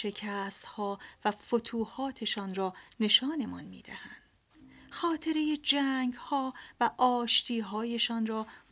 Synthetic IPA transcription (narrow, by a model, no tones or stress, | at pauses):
ʃe̞cʰæːst̪hɒːvæfot̪ʰuːhɒːt̪ʰe̞ʃɒːnrɒːne̞ʃɒːne̞mɒ̰nmḭːd̪æhænd̪̥ | xɒːt̪ʰe̞ɾeje̞d͡ʒæːŋɡhɒːvæʔɒːʃt̪ʰiːɦɒːje̞ʃɒːnrɒː